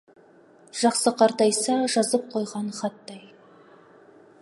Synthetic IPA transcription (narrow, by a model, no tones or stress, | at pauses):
ʒ̥ɑqsəqʰɑɾt̪ɑjsɑʒɑzəp̚qʰo̞jʁɑnχɑt̪ːɑj